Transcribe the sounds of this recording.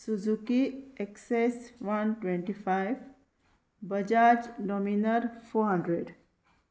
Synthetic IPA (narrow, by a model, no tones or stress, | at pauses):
suzukieksesʋanʈwẽɳʈifajʋ | bəd͡ʒad͡ʒɖɔminəɾfoɦãɳɖɾeɖ